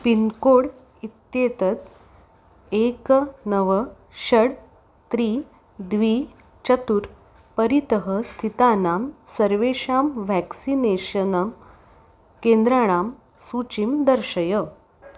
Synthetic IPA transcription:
pinkoɽ | it̪ːjet̪ət̪ | eknəʋə | ɕəɽ | t̪ɾiː | d̪ʋi | t͡ɕət̪uɾ | pəɾit̪əɦəst̪ʰit̪anamsəɾʋeɕamʋɛksineɕənəm | kẽnd̪ɾaɽ̃am | sut͡ɕimd̪əɾɕəjə

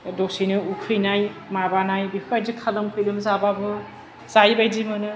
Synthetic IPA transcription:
dɔksijnɯukʰɯjnajmabanajbikʰajdikʰalɯmkʰɯjlɯmzababɯ | zajbajdimɯnɯ

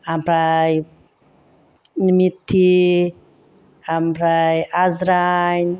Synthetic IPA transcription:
ʔampɾaj | nmit̪ʰːi | ampɾajʔazɾajn

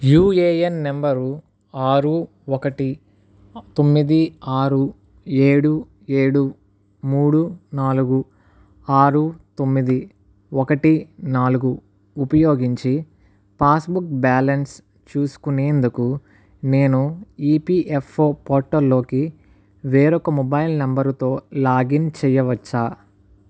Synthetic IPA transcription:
juːeːjenːembɐɾu | aːɾu | ɔkɐʈi | t̪o̞mːid̪iaːɾu | eːɽu | eːɽu | muːɽunaːluɡu | aːɾut̪o̞mːid̪i | ɔkɐʈinaːluɡuː | pɐjo̞ːɡiɲt͡ʃi | paːsbuk̚baːlɐns | t͡ʃuːsu̥kune̞ːnd̪uku | ne̞ːnuiːpiːʔefʰːoːpoːɾʈːɐlːo̞ːki | ʋeːɾɔkɐmɔbɐjilnɐmbɐɾt̪o̞ːlaːɡint͡ʃɛjːɐʋɐt͡ʃːaː

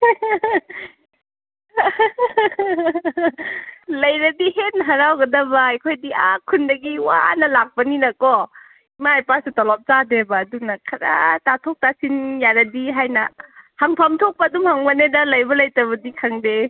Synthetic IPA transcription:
lɐjɾɐdiɦetnɦaɾawɡɐdɐbɐajkʰojdiakʰundɐɡiwa̰nɐlak̚pɐninɐkɔ | imaːjpasutɔlɔp̚zadebɐːdunɐkʰɐɾa̰tatʰok̚tasinjaɾɐdiɦajnɐhaŋpʰamtʰok̚pɐːdumhaŋmɐnedɐlɐjbɐlɐjtɐβɐdikʰaŋde

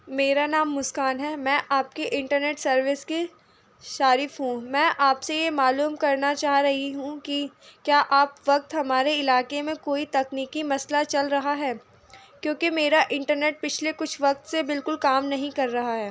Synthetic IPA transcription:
meːɾanaːmːʊskaːnɦɛːmɛ̃ːʔaːp̚keʔɪ̃ɳʈəɾneːʈsɐɾʋɪske | ʃaːɾiːfɦũmɛ̃ːʔaːpsejemaːluːmkɐɾnat͡ʃaːɦɾɐɦiɦũki | kjaːʔaːpʋɐk̚t̪ɦɐmaːɾeɪlaːkemẽkoːit̪ɐkniːkimɐslat͡ʃɐlɾɐɦaɦɛː | kjõːkimeːɾaʔɪ̃ɳʈəɾneːʈ̚pɪt͡ʃʰlekʊt͡ʃʰʋɐk̚t̪sebɪlkʊlkaːmnɐɦĩkɐɾːɐɦaɦɛː

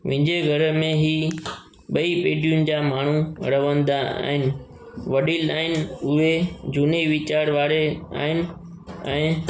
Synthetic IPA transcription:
ʋɪ̃ːɲd͡ʑeɡʱɐɾəmẽɦiː | ɓɐipeːɖijʊnd͡ʑaːmaːɳ̤uɾəʋə̃nd̪aa̰ːɦɪnɪ̆ | ʋɐɗilaːɦɪn̆ʊɦed͡ʑʱuːneʋɪt͡ɕaːɾʋaːɾea̰ːɦɪnɪ̆ | ɛ̃ː

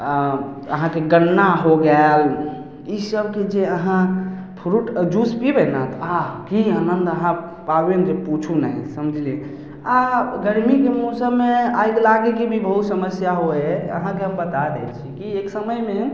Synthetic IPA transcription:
aə̰ɦãkeɡənːaɦoɡɛl | isəbked͡ʒeəɦã | pʰɾuʈəd͡ʒuspibɛnat̪akianənd̪əɦã | pabend͡ʒeput͡ʃʰuna̰jsəmd͡ʒʱlie | aɡəɾmikemusəmːeajɡlaɡekibʱibəɦut̪səməsjaɦoɛə̰ɦãkeɦəmbət̪aɾɛɛt͡ʃʰikieksəməjme

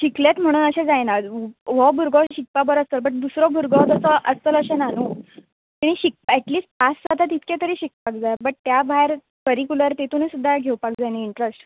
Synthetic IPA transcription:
ɕikljet̪m̤əɽ̃uːnəɕẽd͡zajnaʋɔbʱuɾɡɔɕik̚pabəɾəst̪əlbəʈ̚d̪usɾɔbʱuɾɡɔd̪ət͡sɔʔəst̪ələɕẽnanu | ɽ̃iɕik̚pæʈliːsʈ̚passat̪at̪̬it̪kẽt̪əɾiːɕik̚pakd͡zajbəʈ̚t̪jabʱaeɾ | pəɾikuləɾt̪et̪unisud̪ʱːaɡʱewpakd͡zajniiɳʈɾesʈ

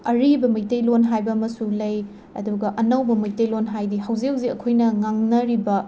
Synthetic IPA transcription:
ɐɾibɐmɐjtejlonɦajbɐmɐsulɐj | ɐ̰duɡɐʔɐnɐwbɐmɐjtejlonɦajdiɦɐwzewziɐkʰojnɐŋaŋnɐɾibɐ

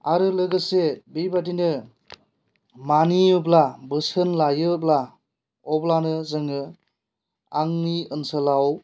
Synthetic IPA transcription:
aɾɯlɯɡɯsebibadinɯ | maniublabɯsɯnlajɯbla | ɔblanɯzɯŋɯ | aŋniɯnsəlaww

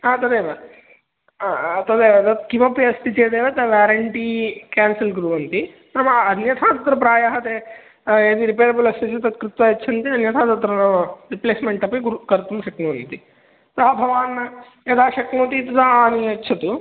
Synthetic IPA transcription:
aːt̪ɐd̪eːʋɐ | t̪ɐd̪eːɐt̪ɐt̪kimɐpiɐst̪it͡ʃeːd̪eːʋɐt̪ɐʋaːɾɐɳʈiːkaːnsɐlɡɾuʋɐnt̪i | nɐmɐːnjɐt̪ʰaːt̪ɐt̪ɾɐpɾaːjaɦɐt̪e | eːd̪iɾipeːɾɐbulɐst̪it͡ʃit̪ɐt̪̚kɾut̪ʋɐɐt͡ʃːt͡ʃʰɐnt̪iɐnjɐt̪ʰaːt̪ɐt̪ɾɐnɐmɐɾipleːsmeɳʈɐpiɡɾukɐɾt̪umʃɐknuːɐnt̪i | t̪ɐɦɐbʱɐʋaːnɐ | jɐd̪aːʃɐknuːt̪it̪ɐd̪aːniɐt͡ʃːt͡ʃʰɐt̪u

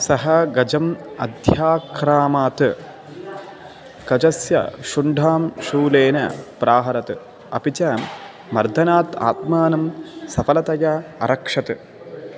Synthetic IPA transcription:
sɐɦɐɡɐd͡ʒɐmɐ̰d̪ʱjaːkɾaːmaːt̪ɨ | kɐd͡ʒɐsjɐ̰ʃuɳɖʱaːmʃuːleːnɐ̰pɾaːɦɐɾɐt̪ɨ | ɐ̰pit͡ʃɐ | mɐɾd̪ʱɐnaːt̪a̰ːt̪maːnɐmsɐfɐlɐt̪ɐjɐɐ̰ɾɐkʂɐt̪ɨ

